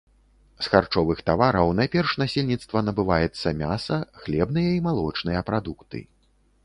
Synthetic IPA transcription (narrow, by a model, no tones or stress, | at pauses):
sxart͡ʂɔvɨxt̪avaɾɐwnajpʲɛrʂnasʲelʲnʲit̪st̪vɐnɐbɨvajɛt̪sːɐmʲasɐxlʲɛbnɨjɐimalˠɔt͡ʂnɨjɐpɾad̪ukt̪ɨ̰